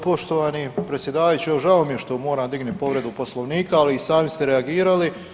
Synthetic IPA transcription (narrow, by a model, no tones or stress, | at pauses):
po̞ʃt̪o̞ʋaːnipɾet̪sʲje̞d̪aːʋajut͡ɕioʒaomije̞ʃt̪omo̞ːɾaːmd̪iɡnut̪po̞ʋɾe̞d̪upo̞slˠo̞ʋniːkaːliːsaːmist̪e̞ɾeaɡiːɾali